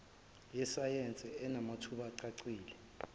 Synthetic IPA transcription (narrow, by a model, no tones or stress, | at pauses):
jɛsajɛnt͡sʼɛɛnamatʰuɓaǀaǀiːlɛ